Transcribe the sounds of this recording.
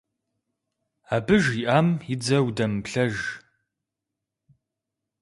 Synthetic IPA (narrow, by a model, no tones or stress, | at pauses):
aːbɨʒiʔaːmjɪd͡zɐwdɐmpɬɐʒ